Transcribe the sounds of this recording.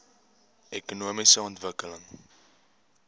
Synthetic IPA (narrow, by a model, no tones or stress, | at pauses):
ʔɛkunuəmisəɔntvəkələŋ